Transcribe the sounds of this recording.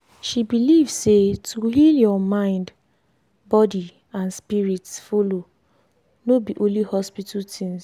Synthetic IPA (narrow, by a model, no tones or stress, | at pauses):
ʃibilivsetʰuhiljɔmãɪ̃nd | bɔdi | ãnspiɹitsfolo | nobiʔõnlihɔspitatʰĩns